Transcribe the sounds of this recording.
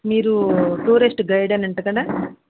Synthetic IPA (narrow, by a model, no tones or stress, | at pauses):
miːɾuʈuːɾisʈɡɐjɽɐnɐɳʈɐkɐɽɐ